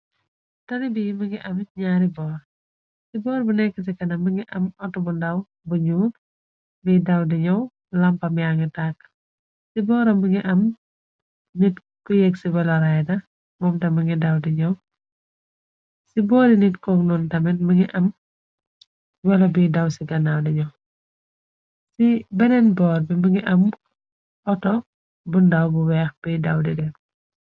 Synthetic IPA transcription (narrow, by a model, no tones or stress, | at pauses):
tɐnibimɐŋɡiʔɐmɲaːɾibɔːɾ | sibɔːɾbunɛkːɐtɛkɐnɐmɐŋiʔɐmɔtːɔmundɐw | buɲuːt | biːdɐwdiɲɐw | lɐmpɐmijaŋitak | sibɔːɾɐmɐŋɡiʔɐm | nit | kujɛksibɐlɐɾajdɐ | mɔmtɐmɐŋɡidɐwdiɲɐw | sibɔːdinitkɔːknɔːntɐmɛnmɐŋɡiʔɐm | wɐlɐbidɐwsiɡɐnawdiɲɐw | sibɐnɛnbɔːrbimbɐŋiʔɐm | ʔɔtɔ | bundɐwbuwɛːxb̥idɐwdidɛm